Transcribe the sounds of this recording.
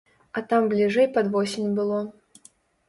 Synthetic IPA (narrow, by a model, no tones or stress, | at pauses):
ɐt̪amblʲiʐɛjpɐd̪vɔsʲɪnʲbɨlˠɔ